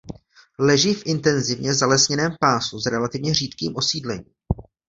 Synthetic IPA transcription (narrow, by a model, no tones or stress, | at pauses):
lɛʒɪfʔɪnt̪ɛnzɪvɲɛzalɛsɲɛnɛːmpaːsuzɾɛlat̪ɪvɲɛriːt̪kiːmʔo̞siːdlɛɲḭː